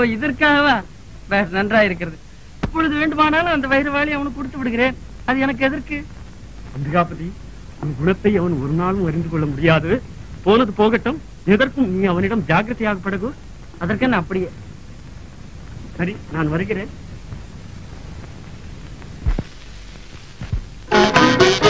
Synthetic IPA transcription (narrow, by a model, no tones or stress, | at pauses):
oːɪðɪɾkaːɐʋaː | ʋeːɾnɐndraːɪɾɯk̬ːɪɾɐðɯ | ɐpːɔɻɯðɯʋeːɳɖɯmaːnaːlɯ̃ɐnd̪ɐʋɐjɪɾɐʋaːɭiɐʋɐnɯkɔɽɯt̪ːɯʋɪɽɯɣɪɾeːn | ɐðɯɛnɐk̬ːɯɛðɐɾkɯ | ɐnd̪ɯɣaːpɐði | niːɡʊɳɐt̪ːɐɪɐʋɐnɯɔɾɯnaːlɯ̃ʋɐɾɪnd̪ɯkɔɭːɐmʊɽɪjaːðɯ | poːnɐðɯpoːɣɐʈːɯm | ɛðɐɾkɯmniːɐʋɐnɪɽɐmd͡ʒaːɡɾɐt̪ːɐjaːɣɐpːɐɽɐɣɯ | ɐðɐrkɐnːɐːpːɐɽɪjeː | sɐɾinaːnʋɐɾɯɣɪɾeːn